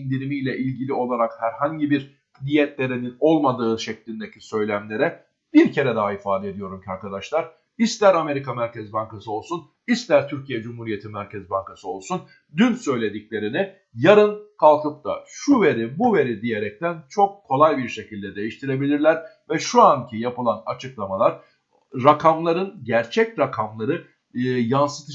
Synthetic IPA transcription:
ind̪iɾimijlʲɛʔilʲɟilʲio̞lˠaɾakhæɾhaɲɟibiɾ | nijɛt̪lʲe̞ɾinino̞lˠmad̪ɯːʃɛclʲind̪ecʰisø̞jlʲæmlʲe̞ɾɛ | b̥iɾcʰe̞ɾɛd̪aɦaifaːd̪ɛed̪ijo̞ɾumcʰaɾkad̪aʃlˠaɾ̥ | ist̪lʲæɾame̞ɾikʰamæɾcɛzbaŋkasɯo̞lˠsun | ist̪lʲæɾt̪ʰyɾcʰijɛd͡ʒumhuɾije̞t̪ʰimæɾcʰɛzbaŋkʰasɯo̞lˠsun | d̪ynsø̞jlʲe̞d̪iclʲe̞ɾinɪ | jaɾɯnkʰalˠkɯp̚t̪ʰa̰ʃuve̞ɾibuve̞ɾid̪ije̞ɾɛc̚t̪ʰænt͡ʃʰo̞kʰːo̞lˠajbiɾʃe̞cʰilʲd̪ɛd̪e̞jiʃt̪ʰiɾe̞bilʲiɾlʲæɾ | vɛʃuancʰijapɯlˠanat͡ʃʰɯklˠamalˠaɾ | ɾakʰamlˠaɾɯnɟæɾt͡ʃʰɛcɾakʰamlˠaɾɯ | jansɯ̥t̪ʰɯ

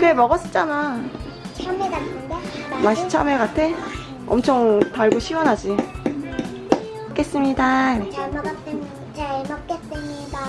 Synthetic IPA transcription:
kɯɾemʌɡʌs͈ɯ̥t͡ɕ͈ana | ameɡanɯndemaɕ͈ʰi̥t͡ɕʰa̰meɡatʰe | ʌ̰mt͡ɕʰʌŋtaɭɡoɕʰiwʌnɦad͡ʑi | k͈e̞s͈ɯmɲidakɯɾemɡʰɯ | t͡ɕaɭmak͈es͈ɯmida

